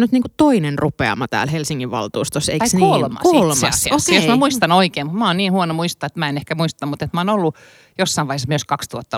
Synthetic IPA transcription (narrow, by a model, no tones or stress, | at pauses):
nyt̪niːŋkut̪oinenrupeɑ̰mɑt̪æ̰ːlhelsiŋːiʋʋɑ̰lt̪uːst̪oseikkolmɑ̰ksolssejosmæmuist̪ɑnoikeːmut̪mæonniːnhuonomuist̪oɑːet̪mæenehkæmuist̪ɑmut̪et̪mæoːnolːu | josːɑiʋɑihesmyøskɑkst̪uot̪ːɑ